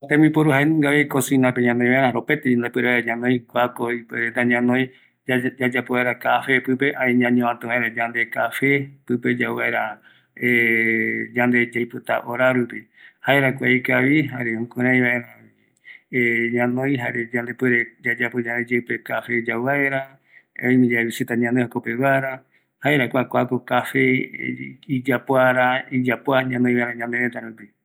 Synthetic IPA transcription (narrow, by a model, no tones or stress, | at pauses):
t̪ẽmĩpoɾuɦaenŋɡaβekosĩnãpeɲãnõj̃βaʔeɾãɾopet̪eand̪epwɨeɾeβaɲãnõj̃kʷakoipeɾet̪aɲãnõj̃ | d͡ʒad͡ʒapoβaeɾakafepɨpeʔãĩɲãɲõãt̪ɨ̃βaeɾad͡ʒand̪ekafepɨped͡ʒawβaeɾa | e | d͡ʒand̪e̞d͡ʒejpot̪a̰ʔoɾaɾupi | haeɾakʷaikaβiɦaɾeõkõɾ̃ãj̃βaeɾã | ɲãnõj̃ɦaɾed͡ʒãnd̪e̞pweɾed͡ʒad͡ʒapod͡ʒãnd̪ed͡ʒewpe̞kafed͡ʒawβaeɾa | õĩmĩd͡ʒaβisit̪aɲãnd̪ehakopeβaeɾa | haeɾakʷakʷakokafe | id͡ʒapoaɾaid͡ʒapoaɲãnõĩβaeɾãɲãnd̪eɾet̪aɾupi